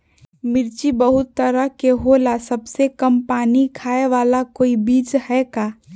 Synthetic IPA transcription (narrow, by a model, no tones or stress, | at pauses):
mɪɾt͡ʃibəɦʊt̪ːəɾəɦkeɦolasəbsekəmpaːnikʰaːeʋaːlakoːibiːd͡ʒhɛkaː